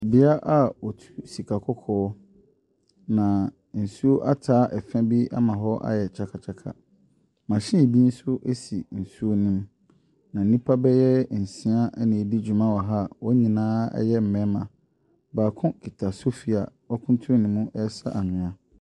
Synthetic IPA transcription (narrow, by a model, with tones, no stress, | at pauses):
bɪ˦a˦ʔa˦wɔ˨tʰu̥˦si˨kʰa˨kʰɔ˦kʰɔː˦ | nã˨ | n̩˨su˦o˦ʔa˦tʰaː˨˦ʔɛ˨fɛ̃˦bi˦a̰˦mã˨ɦɔ˦ʔa̰˦jɛ˨t͡ɕʰa˦kʰa˨t͡ɕʰa˦kʰa̰˨ | mã˨ɕɪ̃˦˨bi˦n̩˦sʊ˦ʔe˦si˨n̩˨su˦o˦nʊ̃˦m | nã˨n̩˨nĩ˦pʰa˦bɛ˦jɛ˦n̩˨sĩ˦a˦ʔnɪ̃˨di˦d͡ʑu˨mã˦wɔ˨ɦa˦˨wɔ˦ɲĩ˨nãː˦ɛ̰˦jɛ˦m̩˨mɛ̃˦mã˨ | baː˨kʰʊ̃˦kʰi˨tʰa˨sʊ˦fi˨a˨ | wɔ˦kʰʊ̃˦ntʰʊ̃˦nɪ̃˦mũ˦ʔɛ˦sa˦ʔa˨nʊ̃˨ã˨